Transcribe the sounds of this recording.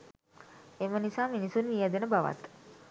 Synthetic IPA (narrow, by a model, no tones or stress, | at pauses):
emənisaːminisunnijad̪enəbaʋa̰t̪